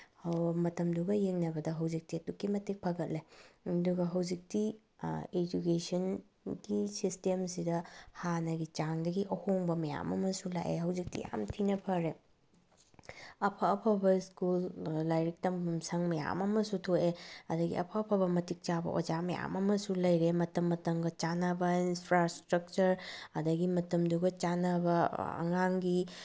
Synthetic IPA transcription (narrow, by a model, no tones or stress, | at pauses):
hɐwmɐtɐmduɡɐjeŋnɐbɐdɐɦɐwzik̚tiɐtukːimɐtik̚pʰɐɡɐt̚laduɡɐɦɐwd͡ʒik̚ti | ed͡ʒukesɐn | ɡisistemsidɐhanɐɡit͡ʃaŋdɐɡiʔɐhoŋbɐmɐja̰mɐ̰mɐsula̰jʔḛɦɐwzik̚tḭja̰mtʰinɐpʰɐɾe | ɐpʰɐːpʰɐbɐskulːajɾik̚tɐmmsɐŋmɐja̰mɐmɐsutʰoʔeɐdɐɡḭɐ̰pʰɐːpʰɐbɐmɐtik̚t͡ʃabɐ̰ʔo̰d͡ʒamɐja̰mɐmɐsulɐjɾemɐtɐmːɐtɐmɡɐt͡ʃanɐbɐinpʰɾastɾɐk̚t͡ʃɐɾɐdɐɡimɐtɐmduɡɐt͡ʃanɐbɐɐ̰ŋaŋɡi